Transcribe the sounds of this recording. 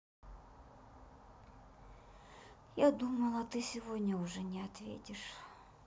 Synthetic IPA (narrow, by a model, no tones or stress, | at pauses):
jad̪uməlˠɐt̪ɨsʲɪvodʲnʲəʊʐɛnʲɪɐt̪vʲḛtʲɪʂ